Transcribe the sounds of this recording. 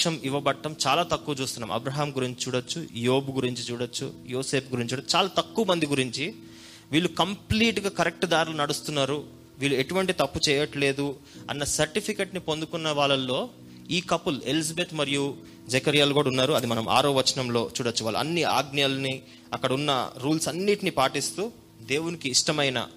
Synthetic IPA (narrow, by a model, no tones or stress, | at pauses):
ʂɐmiʋɐbɐʈːɐmt͡ʃaːlaːt̪ɐkːuːɐt͡ʃuːst̪unːaːmɐ̰bɾɐːɦaːmɡuɾiɲt͡ʃi̥t͡ʃuːɽɐt͡ʃːujoːbɡuɾiɲt͡ʃit͡ʃuːɽɐt͡ʃːṵjoːse̞ːp̚ɡuɾiɲt͡ʃuːɽt͡ʃaːlaːt̪ɐkːuːʋɐmɐnd̪iɡuɾiɲt͡ʃi | ʋiːɭːukɐmpliːʈɡaːkɐɾek̚ʈd̪aːɾilɐnɐɽust̪unːaːɾu | ʋiːɭːue̞ʈuʋɐɳʈit̪ɐpːut͡ʃɛːjɐʈle̞ːd̪u | ɐ̰nːɐsɐɾʈipʰike̞ːʈnipo̞nd̪ukunːɐʋaːɭɐlːo̞ː | iːkɐpːuluelis̬ɐbe̞ːt̪mɐɾiju | d͡ʒekɐɾijaːlɡuːɽɐunːaːɾuɐd̪imɐnɐmʔa̰ːɾoːʋɐt͡ʃɐnɐmlo̞ːt͡ʃuːɽɐt͡ʃːuʋaːɭːɐɐ̰nːia̰ːɡnijalni | ɐkːɐɽɐunːɐ̰ɾuːlsɐnːiʈinipaːʈist̪uː | d̪e̞ːwunikiːʂʈɐmɐjnɐ̰